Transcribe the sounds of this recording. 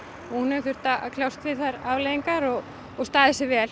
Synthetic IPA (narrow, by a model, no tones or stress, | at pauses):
ɔɣhunɛθʏɾ̥t̪aakʰlawst̪vɪðθaɾavlejiŋkaɾɔɣː | ɣst̪aːðɛsɪvɛːl